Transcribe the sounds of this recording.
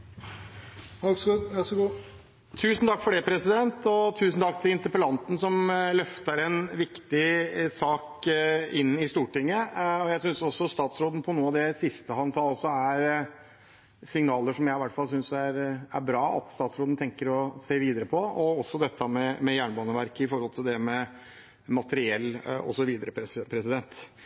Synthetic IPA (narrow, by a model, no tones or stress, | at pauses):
ɑsɡʉæsɔɡu | t̪ʰʉːsnt̪ʰɑkːfɔɖɛpʰɾɛsɪd̪ɛnt̪ɔt̪ʰʉːsn̩t̪ʰɑkːt̪ʰɪlɪnt̪əɾpəlɑnt̪n̩sɔmlœft̪əɾɛnʋɪkt̪ɪsɑːkɪnːɪst̪uːʈɪŋːəɔjæɪsʏnsɔsːɔst̪ɑːt̪sɾoːd̪n̩pʰɔnuːɑʋd̪ɛsɪst̪əhɑnsɑːɔsːɔæɾ | sɪŋnɑːləʂɔmjæɪɪʋæʈːfɑlˠsʏnsæɾæɾbɾɑːɑ̰t̪st̪ɑːt̪sɾoːd̪n̩t̪ʰɛŋkəɾɔseːʋiːd̪əɾəpʰɔɔɔsːɔd̪ɛt̪ːəmɛmɛjæːɳbɑːnəʋæɾkəɪfɔɾhɔlt̪ʰɪld̪ɛmɛ | mɑt̪əɾɪɛlːɔ̰sɔʋiːd̪əɾəppʰɾɛsɪd̪ɛnt̪